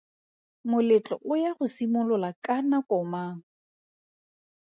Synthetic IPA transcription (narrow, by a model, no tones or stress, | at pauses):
mʊlɪt͡ɬʼɔʔʊjaχʊsimʊlɔlakʼanakʼɔmaŋ̩